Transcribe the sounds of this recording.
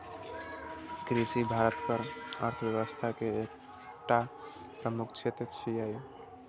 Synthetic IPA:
kɾisibʱaɾət̪kəɾə̰ɾt̪ʰəbjəʋəst̪ʰakeek | ʈa | pɾəmukʰt͡ʃʰet̪ɾət͡ʃʰijaj

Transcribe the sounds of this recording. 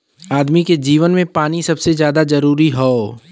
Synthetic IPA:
aːd̪miked͡ʒiːʋənmẽpaːnisɐbsezjaːd̪azɐɾuːɾiɦoː

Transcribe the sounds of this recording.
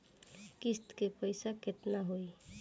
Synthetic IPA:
kist̪kepəɪsaket̪naɦoi

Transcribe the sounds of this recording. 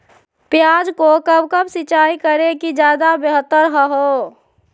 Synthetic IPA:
pjaːd͡ʒkokəbkəbsɪt͡ʃaːikəɾekid͡ʒjaːd̪abeɦət̪ːəɾɦəɦoː

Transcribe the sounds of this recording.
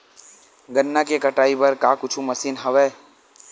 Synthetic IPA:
ɡənːakekɐʈaːipɐɾkaːkʊt͡ʃʰumɐsiːnɦɐʋɛː

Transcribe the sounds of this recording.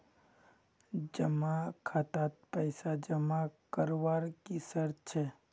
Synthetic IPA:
d͡ʒəmakʰat̪at̪̚pəɪsad͡ʒəmakəɾʋaːɾkisəɾt͡ʃʰɛ

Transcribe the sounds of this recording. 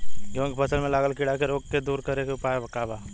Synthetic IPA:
kjõːkipʰɐsəlmẽlaːɡəlkɪɽakeɾoːɡked̪uːɾkɐɾekeʊpaːebɐkaːbaː

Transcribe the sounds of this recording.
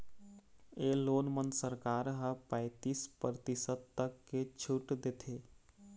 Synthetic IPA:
eːloːnmənsəɾkaːɾɦəpəɪt̪iːspɾɾət̪ɪsəd̪̚t̪ɐkːet͡ʃʰʊʈd̪eːt̪ʰeː

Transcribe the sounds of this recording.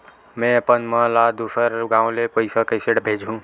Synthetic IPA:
mẽəpənməlad̪usəɾɡãũlepəɪsakəɪseɽbʱed͡ʒʱɦũ

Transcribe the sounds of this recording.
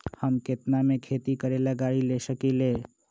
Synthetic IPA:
həmket̪namekʰet̪ikəɾelaɡaɽilesəkile

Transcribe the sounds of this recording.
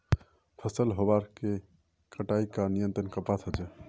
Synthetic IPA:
pʰəsəlɦobaɾke | kəʈaikanijənt̪ɾənkəpat̪ʰəd͡ʒɛ

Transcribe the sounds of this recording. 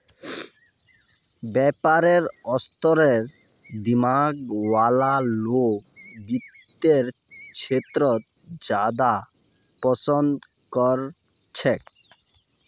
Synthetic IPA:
bɛpaɾeɾɔst̪ɔɾeɾ | d̪imaɡwalalokbit̪ːeɾ | t͡ɕʰet̪ɾot̪ | d͡ʑad̪a | pɔt͡ɕond̪ | kɔɾ | t͡ɕʰek

